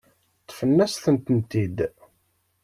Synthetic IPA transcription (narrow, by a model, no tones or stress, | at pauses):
t̪ˤːfənːæsθənt̪ənt̪id̪